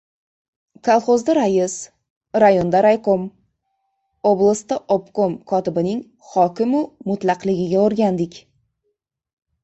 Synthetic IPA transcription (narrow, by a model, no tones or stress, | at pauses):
kʰalˠχozd̪aɾajɪs | ɾajond̪aɾajqom | oblˠast̪aʔopkomkʰɒt̪ɪbɪnɪŋ | χɒkʲɪmʊmʊt̪lˠɑqlɪɡʲɪɡʲaoɾɡʲand̪ɪkʲ